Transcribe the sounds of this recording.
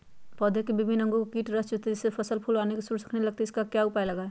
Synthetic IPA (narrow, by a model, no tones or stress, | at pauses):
pɔd̪ʱekebɪbʱinə̃ŋɡokkiːʈɾəst͡ʃot̪eɪsepʰəsəlpʰulanekesuɽsə̥kʰnelɐɡ̚t̪eɪskakjaʊpajləɡaːe